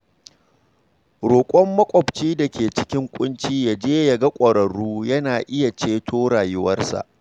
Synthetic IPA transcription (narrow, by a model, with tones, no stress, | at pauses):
ɽoː˨kʷʼɔ˦mːɐ˦kʷʼɔ˨bt͡ʃiː˦da˨kʲeː˨t͡ʃɪ̥˦kʲɪ˦ŋkʷʼʊ˦nt͡ʃiː˦jaː˦˨d͡ʒeː˦jɐ˨ɡɐ˦kʷʼɐ˨ɾɐ˨ɽuː˦jɐ˦naː˨ʔɪ˦ja˨t͡ʃeː˦tʰoː˦ɽaː˨jʊ˦wɐ˦rsa̰˨ʔ